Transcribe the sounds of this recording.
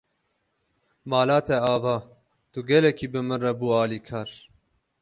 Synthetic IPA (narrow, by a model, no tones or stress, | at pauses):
maːlaːt̪ʰɛaːvɑː | t̪uɡɛlɛkʰiːbɨmɨnrɛbuːaːliːkʰaːɾ